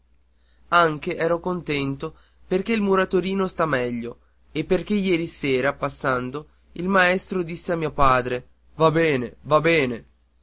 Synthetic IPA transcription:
aŋk̟eʔɛːɾokont̪ɛnt̪o | perkeilmuɾat̪oɾiːnost̪amɛʎːo | epːerk̟ejɛːɾisɛːɾapasːand̪o | ilmaɛst̪ɾod̪isːeamːiːopaːd̪ɾe | vabɛːnevabɛːne

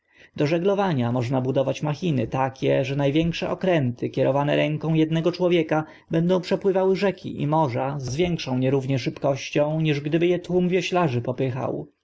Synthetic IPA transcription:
d̪ɔʐɛɡlɔvaɲamɔʐnabud̪ɔvat͡ɕmaxʲinɘt̪akʲɛʐɛnajvʲjɛŋkʂɛ̰ʔɔkɾɛnt̪ɘkʲɛɾɔvanɛ̰ɾɛŋkɔ̃w̃jɛd̪nɛɡɔt͡ʂwɔvʲjɛka | bɛnd̪ɔ̃w̃pʂɛpwɘvawɘʐɛkʲʰḭʔḭmɔʐazzvʲjɛŋkʂɔ̃w̃ɲɛɾuvɲɛʂɘpkɔɕt͡ɕɔ̃w̃ɲiʐɡd̪ɘbɘjɛt̪wumvʲjɔɕlaʐɘpɔpɘxa̰w

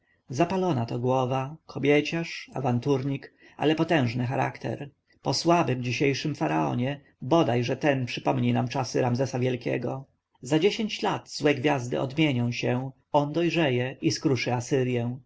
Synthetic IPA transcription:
zapalɔnat̪ɔɡwɔvakʰɔbʲjet͡ɕaʂavant̪uɾɲik | a̰lɛpɔt̪ɛ̃w̃ʐnɘxaɾa̰kt̪ɛ̰ɾ | pɔswabɘmd͡ʑiɕejʂɘmfaɾaɔ̰ɲɛ | bɔd̪ajʐɛt̪ɛnpʂɘpɔmɲinamt͡ʂasɘɾamzɛsavʲjɛlkʲɛ̰ɡɔ | zad͡ʑeɕeɲt͡ɕlad̪̥zwɛɡvʲjazd̪ɘ̰ʔɔ̰d̪mʲjeɲɔ̃w̃ɕɛ | ɔnd̪ɔjʐɛjɛiskɾuʂɘasɘɾʲjɛw̃

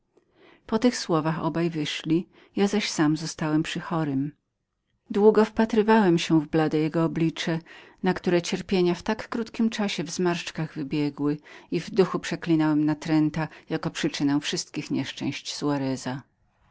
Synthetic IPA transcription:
pɔt̪ɘxswɔvaxɔ̰bajvɘʂlʲi | jazaɕsamzɔst̪awɛmpʂɘxɔɾɘm | d̪wuɡɔfpat̪ɾɘvawɛmɕɛvblad̪ɛjɛɡɔːblʲit͡ʂɛnakt̪uɾɛt͡ɕɛɾpʲjeɲaft̪akːɾut̪kʲimt͡ʂaɕɛvzmaɾt͡ʂkaɣvɘbʲjɛɡwɘivd̪uxupʂɛklʲinawɛmnat̪ɾɛnt̪ajakɔpʂɘt͡ʂɘnɛw̃fʂɘst̪̚kʲixɲɛʂt͡ʂɛ̰̃w̃ɕt͡ɕsuaɾɛza

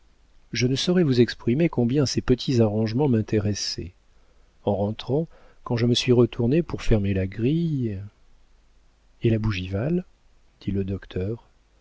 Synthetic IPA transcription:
ʒənəsɔʁɛvuzɛkspχimekɔ̃bjɛ̃sepət̪ʰizaʁɑ̃ʒmɑ̃mɛ̃t̪ʰeʁɛsɛ̰ | ɑ̃ʁɑ̃t̪χɑ̃kɑ̃ʒəməsɥiʁət̪ʰuʁnepuʁfɛʁmelaɡʁij | elabuʒival | d̪̥iləd̪ɔkt̪ʰœːʁ

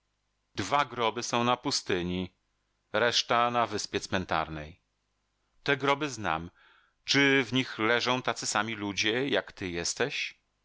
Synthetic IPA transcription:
d̪vaɡɾɔbɘsɔ̃w̃napust̪ɘɲi | ɾɛʂt̪anavɘspʲjɛt̪smɛnt̪a̰ɾnɛj | t̪ɛɡɾɔbɘzna̰m | t͡ʂɘvɲixlɛʐɔ̃w̃t̪at̪sɘsamʲilud͡ʑɛjakt̪ɘjɛst̪ɛɕ

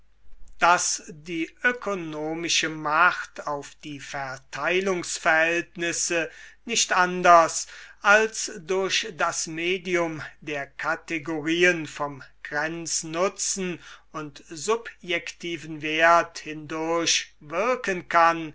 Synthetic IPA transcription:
d̥asdiːʔøkʰonoːmɪʃəmaχtʰaʊfd̥iːfɛɐtʰaɪlʊŋsfɛɐhɦɛltnɪsənɪʃtʔandɐsʔalsdʊɐʃd̥asmeːdiʊmdeːɐkʰateɡoʁiːənfɔmɡ̥ʁɛnt͡snʊt͡sn̩ʊntzʊpjɛktʰiːvən̩veɐthɪndʊɐɕvɪɐkənkan

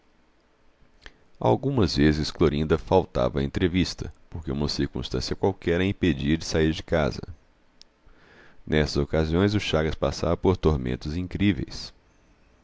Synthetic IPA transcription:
a̰wɡũmɐzvezɪskloɾĩnd̪ɐfawt̪a̰vɐẽnt̪ɾevist̪ɐpoɾkeũmɐsiɾkũst̪ɐ̃sjɐkwawkɛɾɐĩped͡ʒiɐd͡ʒɪsaiɾd͡ʒɪka̰zɐ̰ | nɛst̪ɐzokaziõj̃zʊʃaɡɐspasavɐpoɾt̪oɾmḛ̃nt̪ʊzĩŋkɾivḛjs

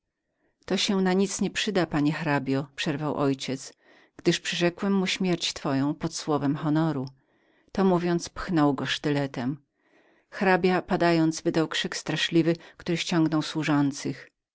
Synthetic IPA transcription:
t̪ɔɕɛnaɲit̪sɲɛpʂɘd̪apaɲɛxɾabʲjɔpʂɛɾvawʔɔjt͡ɕɛt̪s | ɡ̥d̪ɘʂpʂɨʐɛkwɛmːuɕmʲjɛɾt͡ɕt̪fɔjɔ̃w̃pɔt̪swɔvɛmxɔnɔɾu | t̪ɔmuvʲjɔnt̪spxnɔwɡɔʂt̪ɘlɛt̪ɛm | xɾabʲjapad̪ajɔnd̪zvɘd̪awkʂɘkst̪ɾaʂlʲivɘkt̪uɾɘɕt͡ɕɔŋɡnɔwswuʐɔnt̪sɘx

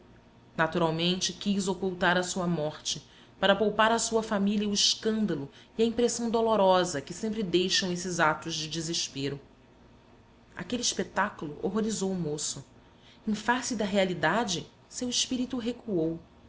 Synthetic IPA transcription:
nat̪uɾawmẽnt͡ʃɪkʲizokuwt̪aɾɐsuɐmɔχt͡ʃɪ | paɾɐpowpaɾɐsuɐfamiliɐuɪʃkɐ̃nd̪ɐlʊiɐĩmpɾesɐ̃w̃d̪oloɾɔzɐkɪsẽmpɾɪd̪ejʃɐ̃w̃esɪzat̪ʊzd͡ʒɪd͡ʒɪzɪʃpeɾʊ | a̰kelɪːʃpet̪akulʊʔoɦoɾizowʊmosʊ | ẽfasɪd̪ɐɦealid̪ad͡ʒɪ | sewɪʃpiɾit̪uɦekuow

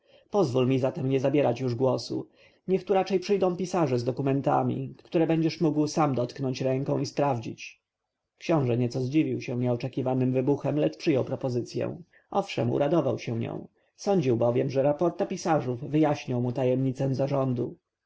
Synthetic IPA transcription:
pɔzvulmʲizat̪ɛmɲɛzabʲjɛɾat͡ɕjuʐɡwɔsṵ | ɲɛxt̪uɾat͡ʂɛjpʂɘjd̪ɔ̃w̃pʲisaʐɛzd̪ɔkumɛnt̪a̰mʲḭktt̪uɾɛbɛɲd͡ʑɛʂmuɡwsamd̪ɔt̪knɔɲt͡ɕɾɛŋkɔ̃w̃ispɾavd͡ʑḭt͡ɕ | kɕɔ̃w̃ʐɛɲɛt̪sɔzd͡ʑivʲiwɕɛɲɛɔt͡ʂɛkʲivanɘmvɘbuxɛmlɛt͡ʂpʂɘjɔwpɾɔpɔzɘt̪sʲjɛ̰w̃ | ʔɔfʂɛmṵɾʔad̪ɔvawɕɛ̃ɲɔ̰̃w̃ | sɔɲd͡ʑiwbɔvʲjɛmʐɛɾapɔɾt̪apʲisaʐuvːɘjaɕɲɔwmut̪ajɛmɲit̪sɛ̃zaʐɔnd̪u

